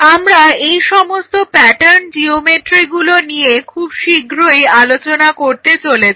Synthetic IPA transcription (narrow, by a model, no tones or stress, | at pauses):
amɾaejʃɔmost̪opɛʈaɾnd͡ʑiomeʈɾiɡuloniekʰubʃiɡɾojalot͡ɕonakoɾt̪et͡ɕolet͡ɕʰi